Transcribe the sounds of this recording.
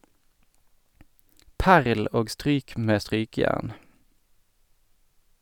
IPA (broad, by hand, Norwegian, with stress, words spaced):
ˈpæʁl ˈoːɡ ˈstʁyːk ˈmeː ˈstʁyːkəˌjæʁn